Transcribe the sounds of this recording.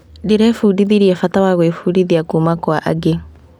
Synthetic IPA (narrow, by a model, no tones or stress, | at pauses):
diɾɛfuːdiðiɾiɛfatawaɣwefudiðiakumakwaʔa̰ɡe